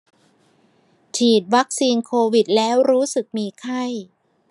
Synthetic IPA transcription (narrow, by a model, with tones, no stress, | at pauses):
t͡ɕʰiː˨˩t̪̚wa˦˥k̚siː˧nkʰoː˧wi˨˩t̪̚lɛː˦˥wɾuː˦˥sɯ˨˩k̚miː˧kʰa˥˩j